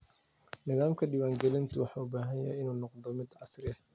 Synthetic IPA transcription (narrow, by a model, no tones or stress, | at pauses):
nɪðaːmkʰɐɖɪwaːŋɡɛlɪnt̪ʰʊwɑħɑːʊbaːɦɐjɛjɐ̰ɪnuːnɔqd̪ɔmɪd̪ʕɑsrɪɐh